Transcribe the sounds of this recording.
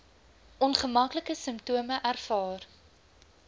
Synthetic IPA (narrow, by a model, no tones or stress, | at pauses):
ʔɔnχəmɐkləkəsəmptuəməʔærfɑːr